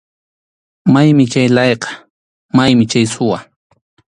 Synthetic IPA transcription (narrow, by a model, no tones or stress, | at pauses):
majmɪt͡ʃajlɑjqɑ̥ | majmɪt͡ʃajsʊwa